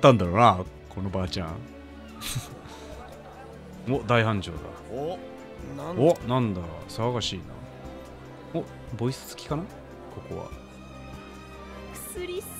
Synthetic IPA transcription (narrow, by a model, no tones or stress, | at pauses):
t̪ːãnd̪aɾoːna | kʰo̞no̞baːt͡ɕã̰ | od̪aiɦãɲ̟d͡ʑo̞̰ːd̪a̰ | onãnd̪asɨβaɡaɕiːna̰ | o | bo̞isɨ̥zɨ̥kʲi̥kana | ko̞ko̞βa̰ | ɨɾʲi